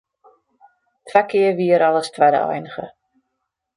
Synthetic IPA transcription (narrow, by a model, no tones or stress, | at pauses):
tʰʋɛkʰɪərʋiəɾʔalˠəstʰʋɛdə̰ɔ̰jnəɣə̰